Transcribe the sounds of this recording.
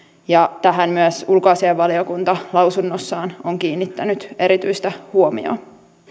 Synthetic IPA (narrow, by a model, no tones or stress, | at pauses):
jɑt̪æɦænmyæsulkoɑːseeʋʋɑliokunt̪ɑlɑwsunːosːɑːnoŋkiːnːit̪ːænyt̪e̞ɾit̪yist̪æhuomḭo̰